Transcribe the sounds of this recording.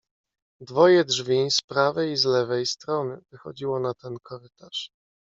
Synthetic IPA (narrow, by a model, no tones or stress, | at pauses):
d̪vɔjɛdʐvʲispɾavɛjizlɛvɛjst̪ɾɔnɘvɘxɔ̰d͡ʑiwɔnat̪ɛnkʰɔɾɘt̪aʂ